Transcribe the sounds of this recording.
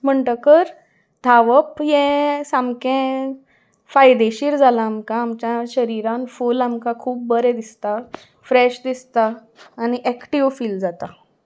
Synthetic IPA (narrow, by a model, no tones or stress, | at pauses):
m̤əɳʈəkəɾ | d̪ʱaʋəpjɛ̃samkɛ̃ | fajd̪eɕiːɾd͡zʱalaːmkãːmt͡ɕjãɕəɾiɾãnfulamkakʰuːp̚bəɾɛ̃d̪ist̪a | fɾɛɕd̪ist̪aː | niʔækʈiʋfiːld͡zat̪a